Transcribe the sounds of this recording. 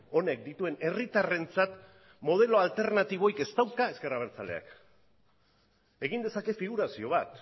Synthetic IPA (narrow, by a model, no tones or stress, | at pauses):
o̞ne̞k̚d̪it̪ue̞ne̞rit̪are̞nt͡sat̪ | mo̞ð̞e̞lo̞alt̪e̞ɾnat̪iβ̞o̞ike̞st̪awkae̞ske̞raβ̞e̞ɾt͡sale̞̰a̰k | e̞ɣind̪e̞sake̞fiɣuɾasio̞β̞at̪